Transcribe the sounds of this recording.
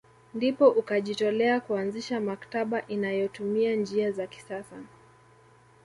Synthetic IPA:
ndipɔʔukaʄitɔlɛakuanziʃamakḁtaɓaʔinajɔtumiand͡ʒiazaki̥sasa

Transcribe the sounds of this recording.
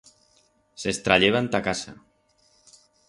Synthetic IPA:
sest̪ɾaʎeβant̪akasa̰

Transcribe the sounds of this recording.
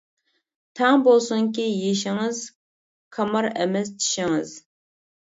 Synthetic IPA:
tʰaːŋbolsʊŋkʲiːjɪʃ̬ɪŋəz | kʰɐmɐrɐ̰mɐztʰʃɪŋəz

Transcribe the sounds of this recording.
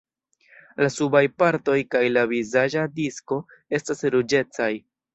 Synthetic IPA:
lasubajpaɾto̞jkajlavizad͡ʒadisko̞ | e̞stasɾud͡ʒe̞t͡saj

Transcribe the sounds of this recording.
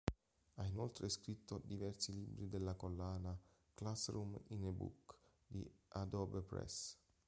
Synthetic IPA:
ainolt̪ɾʔeskɾit̪ʰːod̪ivɛrsiliːbɾid̪elːakolːaːna | klasɾuminebṵk | d̪iad̪ɔbpɾɛ̰s

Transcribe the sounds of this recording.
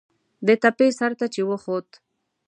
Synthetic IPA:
d̪ət̪apesaɾt̪at͡ʃewəxot̪

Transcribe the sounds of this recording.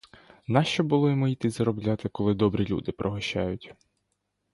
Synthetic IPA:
nɑʃt͡ʃɔbʊlˠɔjimɔit̪ɪzɐɾɔblʲat̪ɪkɔlˠɪd̪ɔbɾʲilʲṵd̪ɪpɾʔɔɦɔʃa̰jʊtʲ

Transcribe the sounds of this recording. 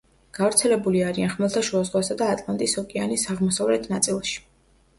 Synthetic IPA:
ɡ̥avɾt̪sʰɛlɛbuliaɾianχmɛlˠt̪ʰaʃuazʁwasad̪aːt̪ʼlˠant̪ʼisɔkʼianisaʁmɔsavlɛt̪ʰnat̪sʼilˠʃi̥

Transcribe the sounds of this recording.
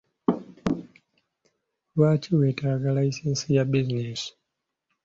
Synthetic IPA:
lwaːciwetaɡalaisensijabizines

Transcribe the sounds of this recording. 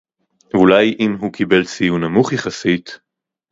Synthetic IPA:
ulajʔimɦukʰibelt͡sijunamuχjaχasit

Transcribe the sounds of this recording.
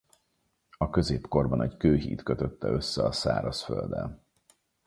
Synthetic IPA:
ɒkø̞zeːpko̞rbɒnɛckøːɦḭːt̪køt̪øt̪ːɛø̞sːɛɒsa̰ːɾɒsfø̰ld̪ɛn

